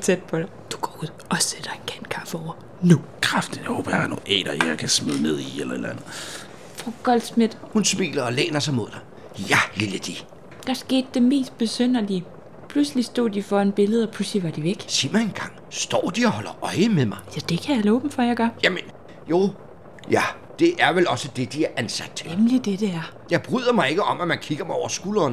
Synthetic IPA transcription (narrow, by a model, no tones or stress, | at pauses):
t͡sʰed̥̚pʰɒ̽ɾ̥ɑɪd̥u̥ɡ̥ɒːuð̰ˠʔɒ̽sed̥ɐe̝nkʰæn̰kʰɑ̈fəɒʊ̰ɐ | nukʰʁɑfd̥ijaho̰ːb̥ɐj̥ḁno̰ɛ̰ːɾ̥ɐjakʰæsmeðˠne̝ð̰ˠielɐḛlænð̩ˠ | fʁoɡ̥ɒ̽ld̥smed̥hunsmḭːlɐɒlḛːnɐsɑɪmo̝ð̞ˠd̥ɑɪ | jæliləd̥i | d̥ɑ̈sɡ̥e̝̰ːd̥ːe̝me̝̰ːsd̥̚b̥e̝søn̰ɐli | pʰluslisd̥o̝̰ːd̥ifɒ̽enb̥e̝ləð̞̩ˠɒpʰlusliʋɑ̈d̥iʋeɡ̥sḭmæenɡ̥ɑ̈ŋ̰ | sd̥ɒ̰ːd̥iɒhɒ̽lɐʔɒɪəmeðmɑ̈ɪjæd̥e̝kʰæjalɔːb̥m̩fɒjäɪɡ̥ɶɐjæmən | jo̝ | jæ | d̥e̝ʔæɐʋelɒ̽səd̥e̝d̥iæɐʔænsæd̥emlid̥ed̥eæɐ | jɑ̈ɪb̥ʁyð̰ˠɐmɑ̈ɪe̝ɡ̥əɒ̽mæmænkʰiɡ̥ɐmɑɒʊ̰ɐsɡ̥uːlɐːn